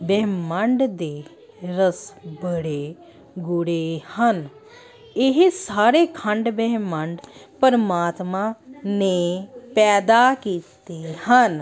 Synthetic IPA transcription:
bɛməɳɖd̪eː | ɾəsbəɽe | ɡʊɽehən | ɪɦsaːɾekʰə̃ɳɖbɛɦməɳɖpəɾəmaːt̪mãnepɛːd̪akiːt̪ehən

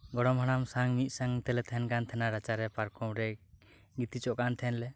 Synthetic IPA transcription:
ɡɔɽɔmɦɔɽ̃amsaŋmit̪̚ˀsaŋt̪ɛlɛt̪ʰɛnkant̪ʰɛnaɾat͡ʃaɾɛpaɾkɔmɾɛ | ɡit̪it͡ʃɔʔkant̪ʰɛnlɛ

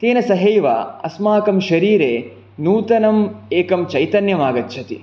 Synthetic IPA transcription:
t̪eːnɐsɐɦejʋa̰ɐ̰smaːkɐmʃɐɾiːɾeː | nuːt̪ɐnɐmeːkɐmt͡ʃɐjt̪ɐnjɐmaːɡɐt̪ːʃʰɐt̪ḭ

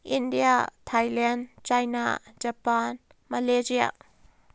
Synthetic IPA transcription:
ʔindiat̪ʰajlɛnt͡ʃɐjna̰d͡ʒapan | malezia̰

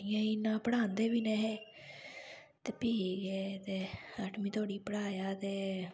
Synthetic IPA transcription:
ɪjãːinãːpəɽaːnd̪eːbiːnɛ̃ːɦeː | t̪eːpiːɡeːt̪eːaːʈʰmĩːt̪ʰoːɽiːpəɽaːjaːt̪eː

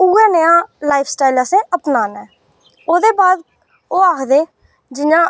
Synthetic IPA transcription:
uːɛːnəjãːlaːipʰsʈaːɪləsẽːʔəpnaːnɛː | oːd̪eːbaːd̪ | oːaːkʰd̪eː | d͡ʒɪnãː

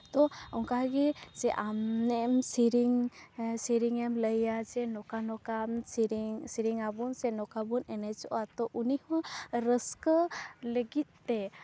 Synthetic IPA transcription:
t̪ɔɔŋkaɡizɛʔamnɛmsiɾiŋsiɾiŋɛmləjad͡ʒɛnɔkanɔkamɾiŋsiɾiŋabɔnsɛnɔkabɔnɛnat͡ʃɔʔat̪ɔʔunihɔ̃ɾəskələɡit̪̚t̪ɛ

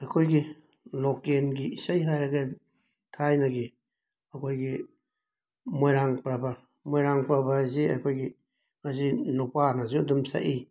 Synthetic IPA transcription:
ɐkʰojɡi | lokenɡiisajɦajɾɐɡa | tʰajnaɡi | ɐkʰojɡi | mojɾaŋpɾaba | mojɾaŋpɾabazia̰jkʰojɡi | as̬inupanazidumsa̰ʔi

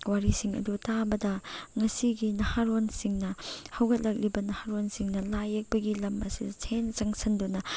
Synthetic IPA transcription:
waɾisiŋɐ̰dutabɐdɐŋɐsiɡinɐhaɾonsiŋnɐhɐwɡɐt̚lɐk̚libɐnɐhaɾonsiŋnɐlajek̚bɐɡilɐmɐsidɐsʰent͡ʃɐŋsʰɐndunɐ

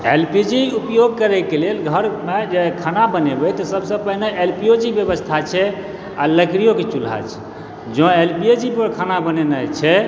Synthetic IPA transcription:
elpid͡ʒiupjoɡ̚kəɾɛkelelɡʱəɾmed͡ʒekʰanabənebɛt̪ɔsəbsə̃pəɦineelpiod͡ʒibjəbəst̪ʰat͡ʃʰɛ | a̰ləkɾijoket͡ʃulɦa̰t͡ʃʰɛ̥ | d͡ʒɔ̃elpied͡ʒipəɾkʰanabənenət͡ʃʰɛ

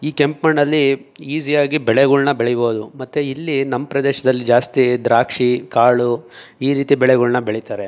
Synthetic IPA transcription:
iːkempmɐɳɐlːiiːzijaːɡibɛɭɛɡuɭnɐbeɭɛjboːd̪umɐt̪ːuilːinɐmːɐpɾɐd̪ɛːʃɐd̪ɐlːid͡ʒaːst̪id̪ɾaːkʂikaːɭuiːɾiːt̪ibɛɭɛɡuɭnɐbeɭit̪aːɾe

